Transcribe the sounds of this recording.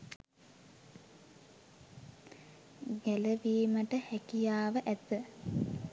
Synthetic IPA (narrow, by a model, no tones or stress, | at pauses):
ɡæləʋiːməʈəhækijaːʋəʔæt̪ːə